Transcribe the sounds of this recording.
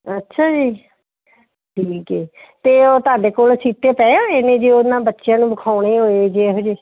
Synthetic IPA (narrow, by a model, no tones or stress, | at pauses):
ətːʃʰaːd͡ʒiː | ʈʰiːkɛːt̪eːoːt̪aːɖeːkoːlsiːt̪eːpɛːoːeːnẽːd͡ʒeːoʊnːãːbətːʃɪjãːnũːbəkʰaːuɽeːɦoːed͡ʒeːɦoːd͡ʒeː